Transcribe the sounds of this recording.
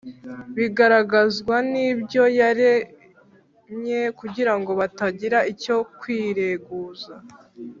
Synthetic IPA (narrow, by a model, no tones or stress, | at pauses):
βiɡaɾaɡazɡwanibjo̞jaɾe | mɲekuɟiɾaŋɡo̞βataɟiɾaʔico̞kwiːɾe̞ɡuːza